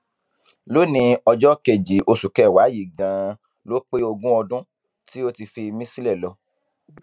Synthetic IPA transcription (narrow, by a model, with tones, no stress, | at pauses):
lo˦nĩ˧ɔ˧d͡ʒɔ˦ke˨d͡ʒi˨ʔo˧su˨kɛ˦˨wa˨˦ji˦˨ɡã˨˦ | lo˦k͡pe˦o˧ɡũ˦ɔ˧dũ˦ | ti˦o˦ti˧fi˧mĩ˦si˦lɛ˦˨lɔ˧˦